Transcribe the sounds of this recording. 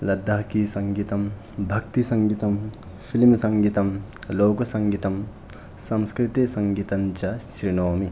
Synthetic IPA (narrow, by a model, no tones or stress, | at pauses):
lɐd̪ʱːaːɦkisɐŋɡiːt̪ɐm | bʱɐk̚t̪isɐŋɡit̪ɐm | pʰilimsɐŋɡiːt̪ɐmloːkosɐŋɡit̪ɐm | sɐmskɾit̪isɐŋɡiːt̪ɐmt͡ʃɐɕɾinoːmi